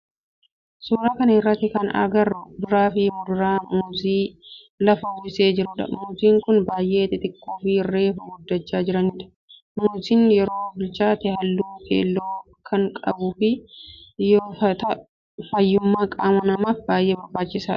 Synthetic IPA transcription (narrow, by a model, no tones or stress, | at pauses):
suːɾaːkɐnɐɪrːɐt̪ːɪkɐnɐ̰ɡɐrːʊd̪ʊɾaːfɪmʊd̪ʊɾaːmuːziː | lɐfɐhʊɪseːd͡ʒɪɾʊᶑɐ̰muːziːŋkʊnbaːjʔe̞ːt̪ɪt̪ɪkːuːfɪɪrːe̞ːfɐɡʊd̪ːɐt͡ʃːaːd͡ʒɪɾɐnɪᶑɐ̥ | muːziːnjɛɾo̞ːbɪlt͡ʃaːt̪ɪhɐlːuːkḛːlːoː | kʰɐŋkʼɐbuːfɪ | joːfɐt̪ɐ | fɐjːʊmːaːkʼaːmɐnɐmaːfbaːjʔeːbɐɾbaːt͡ʃːɪsaːᶑɐ̥